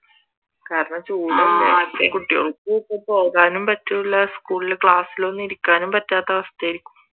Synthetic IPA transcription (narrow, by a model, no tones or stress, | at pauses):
kaːɾɐɳɐmt͡ɕuːlɐekːekuʈːijo̰ɭuːpːɐpo̞ːɣaːnumpɐtːeuɭːɐskuːɭilekɭaːsilo̞nːiɾukʲːaːnumpɐtːaːt̪ːɐʋɐst̪ɐjɾikʲːu̥m